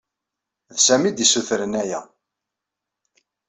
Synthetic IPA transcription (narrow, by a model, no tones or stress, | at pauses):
ðsæmid̪isuθɾənæjæ